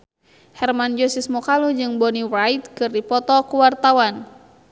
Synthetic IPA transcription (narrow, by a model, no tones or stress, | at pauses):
hɛrmand͡ʒɔsismɔkalud͡ʒɨŋbɔniwrajt̪̚kɨrdipɔt̪ɔkuwart̪awan